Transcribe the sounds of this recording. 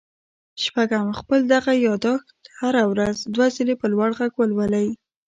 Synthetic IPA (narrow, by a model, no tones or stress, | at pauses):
ʃpaɡamxpəld̪aɣajɑd̪ɑxt̪haɾawɾazd̪wazəlepəlwaɽɣaɡwəlwəlaj